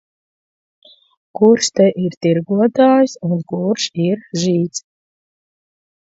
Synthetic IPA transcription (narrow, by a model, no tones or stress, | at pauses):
kuɾʃt̪ɛʔiɾt̪iɾɡuɔt̪aːjsunkuɾʃiɾʒiːt̪s